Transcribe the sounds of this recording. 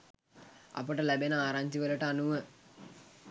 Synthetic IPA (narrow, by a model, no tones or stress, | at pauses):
a̰pəʈəlæbenəaːɾaɲd͡ʒiʋələʈəanuʋə